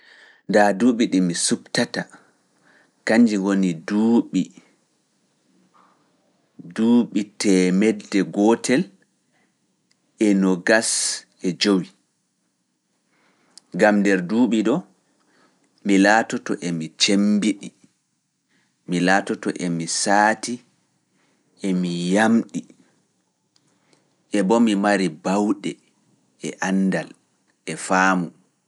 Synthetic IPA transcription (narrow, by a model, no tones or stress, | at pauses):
ndaduːɓiɗimisuktata | kaɲd͡ʒiwoniduːɓi | duːɓitɛmɛdːɛɡɔtɛl | ɛnɔɡas | ɛd͡ʒowi | ɡamdɛɾduːɓiɗɔ | milaːtɔtɔ̰ʔemit͡ʃembiɗi | milaːtɔtɔ̰ʔɛmisaːti | emijamɗi | ʔɛbɔmimaɾibawɗɛ | ɛʔanːdal | ɛfaːmu